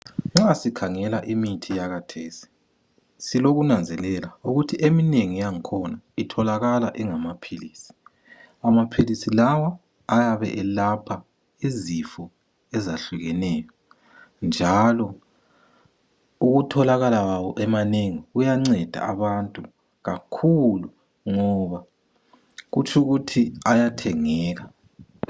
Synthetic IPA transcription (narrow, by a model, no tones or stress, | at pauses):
ŋ͡ǁasikʰaŋɛlaʔimitʰijaɣatʰeːsi̥ | siloɣunand͡zʱɛlɛlauɣutʰiʔemineŋijaŋikʰɔna | itʰɔlaɣalaʔɛŋamapʰiliːsi̥ | amapʰilisilawaː | jaβɛ̰ʔɛlapʰa | izifɔ | ɛzaɬuɣɛnɛːjɔ | nd͡ʒʱalɔ | uɣutʰɔlaɣalawawɔʔɛmaneŋiɣujaŋ͡ǀɛd̥ʱa̰aβantʼu | ɣakʰulu | ŋɔβa | ɣut͡ʃʰʼuɣutʰiajatʰɛŋɛːɣa